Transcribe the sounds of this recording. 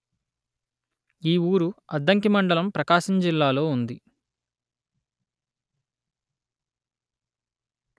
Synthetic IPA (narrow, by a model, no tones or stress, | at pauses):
iːuːɾuɐd̪ːɐŋkimɐɳɖɐlɐmpɾɐkaːʃɐɲd͡ʒilːaːlo̞ːund̪i